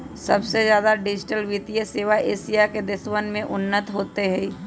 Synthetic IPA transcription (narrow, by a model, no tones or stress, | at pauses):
sɐbsezjaːd̪aɖɪd͡ʒɪʈəlʋɪt̪ijəseːʋaʔeːsijaked̪ɪswənmẽʔʊnːət̪ɦoːt̪eɦɛ